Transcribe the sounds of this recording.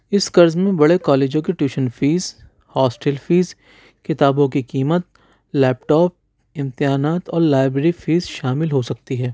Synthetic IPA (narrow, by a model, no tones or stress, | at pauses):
ɪskɐɾzmẽbɐɽekɔːleːd͡ʒõkiʈjuːʃənfiːz | hɔːsʈɛːlfiːz | kɪt̪aːbõkikiːmət̪ | lɛːpʈɔːp̚ | ɪ̃mt̪ɪɦaːnaːt̪ɔːɾlaːɪbɾeːɾifiːzʃaːmɪlɦosɐk̚t̪iɦɛː